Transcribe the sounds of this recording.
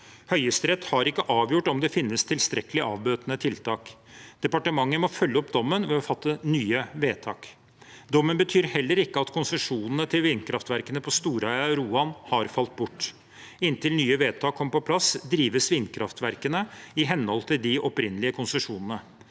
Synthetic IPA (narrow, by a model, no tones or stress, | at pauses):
hœʏəst̪ɾɛt̪ːhɑɾɪkːəʔɑːʋjʊʈɔmd̪ɛfɪnːəst̪ʰɪlst̪ɾɛkəlɪʔɑ̰ːʋbøːt̪nət̪ʰɪlt̪ʰɑːkd̪̥ɛpɑʈəmɑŋːəmɔfœlːəɔpd̪ɔmːənʋɛɔfɑt̪ːənyːəʋeːt̪ʰɑːk | d̪ɔmːənbət̪ʰyːɾhɛlːəɾɪkːəɑt̪kʰʊnsəʂuːnənət̪ʰɪlʋɪnkʰɾɑft̪ʋæɾkənəpʰɔst̪uːɾœɪɑɾuːɑnhɑɾfɑlt̪̚bʊʈː | ɪnt̪ʰɪlnyːəʋeːt̪ʰɑːkʰːɔmpɔpʰlɑsd̪ɾiːʋəsʋɪnkʰɾɑft̪ʋæɾkənəɪɦɛnːhɔlt̪ʰɪld̪ɪʔɔpɾɪnːəlɪəkʰʊnsəʂuːnənə